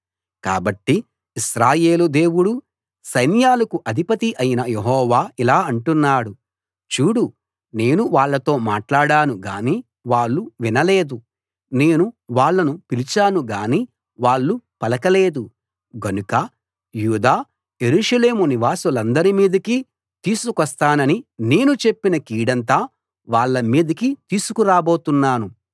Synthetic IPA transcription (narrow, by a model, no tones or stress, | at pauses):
ka̰ːbɐʈːiː | sɾaːje̞ːlud̪e̞ːwuɽu | sɐjnjaːlɐkuʔɐd̪ʱipɐt̪iʔɐjinɐjeɦɔːʋaːilaːɐɳʈunːaːɽu | t͡ʃuːɽu | ne̞ːnuʋaːɭːɐt̪o̞ːmaːʈlaːɽaːnuɡaːniː | ʋaːɭːuʋinɐle̞ːd̪u | ne̞ːnuʋaːɭːɐnupilit͡ʃaːnuɡaːniː | ʋaːɭːupɐlɐkɐle̞ːd̪u | ɡɐnukɐ | juːd̪aː | je̞ɾuːʂɐle̞ːmuniʋaːsulɐnd̪ɐɾimiːd̪ɐkiː | t̪iːsukɐst̪aːnɐnine̞ːnut͡ʃe̞pːinɐkiːɽɐnt̪aː | ʋaːɭːɐmiːd̪ɐkit̪iːsukuɾaːbo̞ːt̪unːaːnu